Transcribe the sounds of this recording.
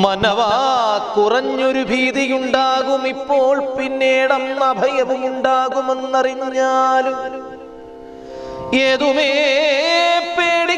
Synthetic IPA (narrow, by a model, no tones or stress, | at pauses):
mɐnɐʋaːkurɐɲːoɾubʱiːðijuɳɖaːɣumipːo̞ːɭpinːeːɽɐmɐbʱɐjɐʋumuɳɖaːɣumenːɐriɲːaːlum | eːðumeː | peːɽi